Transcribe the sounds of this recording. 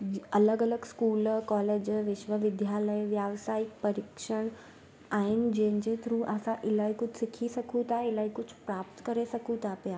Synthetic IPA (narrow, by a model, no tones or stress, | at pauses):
ɐləɡələɡskuːlkɔːleːd͡ʑʋɪʃʋəʋɪd̪ʱjaləjʋjaːʋsaːɪk̚pɐɾɪkʃəɽ̃ | aːɦɪnd͡ʑẽɦɪ̃nd͡ʑet̪ɾũʔasãʔɪlaːikʊd͡ʑʱsɪkʰisɐkʰũt̪ʰaɪlaːikʊd͡ʑʱpɾaːpt̪kɐɾesɐkʰũt̪ʰapjaː